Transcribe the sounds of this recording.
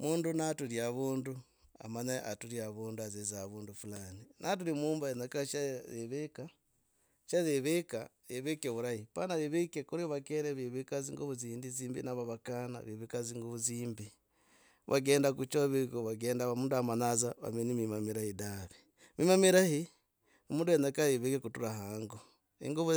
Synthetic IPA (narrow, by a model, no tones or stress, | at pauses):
muːndunatuɾjaβuːndu | a̰maɲaʔatuɾjaβuːnduazezaβuːndufulaninʔat̬uɾimuːmbaenakaʃazeβeka | ʃazeβeka | jeβekeβuɾahipanaβeβekekuɾiβakeɾeβiβekaziŋɡoβuziːndiziːmbḭnaβaβakana̰βeβekaziŋɡoβuziːmbi | βʔa̰ɡeːndakut͡ʃoβikoβaɡeːndamuːnduamanazaβa̰menimimamiɾahidaβi | mimamiɾahi | muːndujenakajeβekekutuɾaɦaːŋɡo | ḭŋɡoβ